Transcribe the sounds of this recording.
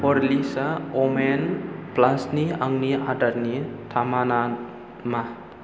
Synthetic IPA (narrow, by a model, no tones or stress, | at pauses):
pɔɾlisaɔmenplasniaŋniadaɾnitʰamana | ma